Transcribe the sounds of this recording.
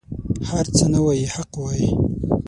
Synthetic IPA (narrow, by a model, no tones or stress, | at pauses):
haɾt͡sənawajihaqwaji